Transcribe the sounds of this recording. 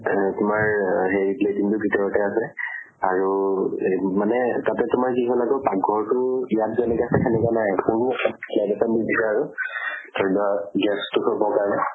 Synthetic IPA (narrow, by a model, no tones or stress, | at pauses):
tʊmaɹɦejpletiŋtʊbʱitɔɹɔtɛasɛ | aɹu | manɛtatɛtʊmaɹkiɦɔlaɡɔpaɡʱɔɹtʊijat̚zɔnɛkasɛkʰɛnɛkwanajkʊɹnʊtʰaplajdasandidʱisaaɹutʰɔɹdaɡɛstʊkʰɔɹbɔkaɹnɛ